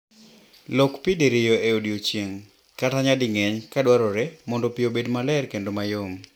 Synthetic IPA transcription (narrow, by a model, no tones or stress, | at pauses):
lɔkpideɾɪjoeodiot͡ʃjeŋ | kataɲadɪŋeɲkadwaɾɔɾemɔndɔpiobedmalɛrkendomajom